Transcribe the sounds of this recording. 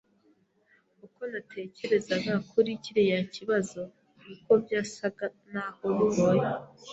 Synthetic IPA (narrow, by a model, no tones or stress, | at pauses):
uko̞natʰe̞ce̞ɾe̞zaɡakʰuɾiciɾejaciβazo̞ | uko̞bjaːsaɡanaho̞βuβo̞je